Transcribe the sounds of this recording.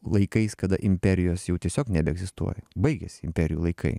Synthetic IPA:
lˠɐɪkɐɪskɐd̪ɐʔɪmʲpʲɛɾʲɪjoːsjɛʊt̪ʲiɛsʲoːknʲɛbʲɛɡzʲɪst̪ṵɔjɛbɐɪɡʲɛsʲɪɪmʲpʲɛɾʲɪjuːlˠɐɪkʰɐ̰ɪ

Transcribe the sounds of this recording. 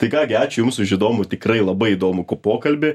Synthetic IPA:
t̪ɐɪkɑːɡʲɪɑːt͡ʃʲʊjʊmsʊɪʃɪd̪oːmʊt̪ʲɪkrɐɪlˠɐbɐɪid̪oːmʊkoːpoːkɐlʲbʲɪ

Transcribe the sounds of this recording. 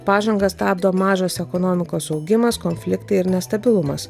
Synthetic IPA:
pɑːʒɐŋɡɐst̪ɑːbd̪oːmɑːʒoːsɛkɔnoːmʲɪkoːsɒʊɡʲɪmɐskɔnʲfʲlʲɪkt̪ɐɪɪɾnʲɛst̪ɐbʲɪlˠʊmɐs

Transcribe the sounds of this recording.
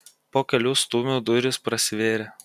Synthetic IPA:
poːkʲɛlʲust̪uːmʲuːd̪ʊɾʲɪspɾɐsʲɪʋʲeːɾʲɛ

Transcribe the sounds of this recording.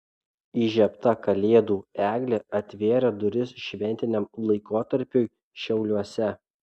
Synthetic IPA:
iːʒʲɛpt̪ɐkɐlʲeːd̪uːæːɡlʲeɐt̪ʲʋʲeːɾʲɛd̪ʊɾʲɪsʃʲʋʲɛnʲt̪ʲɪnʲɛmlˠɐɪkoːt̪ɐɾʲpʲʊj | ʃʲɛʊlʲuɔsʲɛ

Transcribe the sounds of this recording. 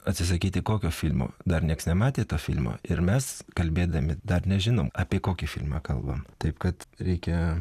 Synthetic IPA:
ɐt̪ʲsʲɪs̬ɐkʲiːt̪ʲɪkoːkʲoːfʲɪlʲmo̰ːd̪ɐrnʲiɛksnʲɛmɑːt̪ʲeːt̪oːfʲɪlʲmo̰ːɪɾmʲɛskɐlʲbʲeːd̪ɐmʲɪd̪ɐrnʲɛʒʲɪnoːmɑːpʲiːkoːkʲifʲɪlʲmɑ̰ːkɐlˠbɐ̰mt̪ɐɪpkɐt̪ɾʲɛɪkʲɛ

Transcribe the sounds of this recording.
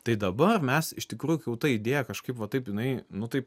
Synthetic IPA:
t̪ɐɪd̪ɐbɐrmʲɛsɪʃt̪ʲɪkɾuːjʊkʲɛʊt̪ɐid̪ʲeːjɛkɐʃkɐɪpʋɐt̪ɐɪpjɪnɐɪnʊt̪ɐɪp

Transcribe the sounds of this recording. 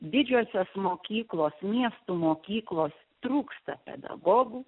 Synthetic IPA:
d̪ʲɪd͡ʒʲuːsʲoːsmoːkʲiːklˠoːsmʲiɛst̪umoːkʲiːklˠoːs | t̪ɾuːkst̪ɐpʲɛ̰d̪ɐ̰ɡoːɡuː

